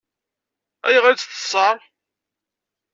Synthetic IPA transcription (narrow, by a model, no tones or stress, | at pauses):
æ̰jʁæt͡sθə̥sˤɑɾˤ